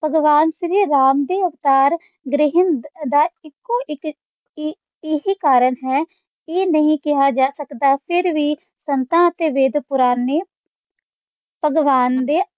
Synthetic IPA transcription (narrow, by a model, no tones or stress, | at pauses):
b̥ʱəɡʋaːnʃɾiːɾaːmd̪eːəʋt̪aːɾ | ɡɾɪɦənd̪aːɪkːoːɪk | ɪɦiːkaːɾəɳɦɛː | eːnəɦĩkɪɦaːd͡ʒaːsəkd̪aːpʰɪɾʋiː | sənt̪ãːət̪eːʋeːd̪pʊɾaːneː | bʱəɡʋaːnd̪eː